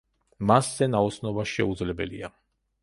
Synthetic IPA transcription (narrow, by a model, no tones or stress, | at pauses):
masz̥ɛnaɔt̪snɔbaʃɛud̪zlɛbɛ̰lḭa